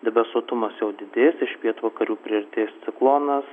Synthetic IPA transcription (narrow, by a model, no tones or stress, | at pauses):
d̪ʲɛbʲɛsuɔt̪ʊmɐsjɛʊd̪ʲɪd̪ʲeːsɪʃpʲiɛt̪uʋɐkɐɾʲuːpʲɾʲɪɪɾʲt̪ʲeːst̪sʲɪklˠoːnɐs